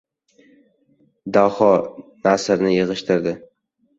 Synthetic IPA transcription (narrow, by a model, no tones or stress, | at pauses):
d̪ahɒnasɾnɪjeʁɨʃt̪ʰɪɾd̪ɪ